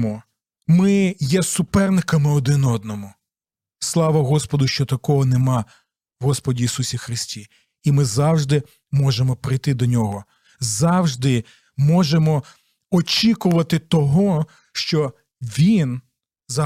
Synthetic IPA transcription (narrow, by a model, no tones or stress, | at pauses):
mɔ | mɪjɛsʊpɛrnɪkɐmɪɔd̪ɪnɔd̪̚nɔmʊ | slˠɑʋɐɦɔspɔd̪ʊʃt͡ʃɔt̪ɐkɔɦɔnemɑ | ɦɔspɔdʲiːsusʲixɾɪsʲtʲi | imɪzɑwʒd̪ɪ | mɔʒemɔpɾɪjt̪ɪd̪ɔnʲɔɦɔ | zɑwʒd̪ɪ | mɔʒemɔ | ɔt͡ʃʲikʊʋɐt̪ɪt̪ɔɦɔ | ʃt͡ʃɔ | ʋʲin | zɐ